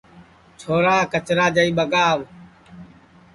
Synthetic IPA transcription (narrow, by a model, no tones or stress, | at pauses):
t͡ʃʰoːɾaːkət͡ʃɾaːd͡ʒəiːɓəɡaːʋ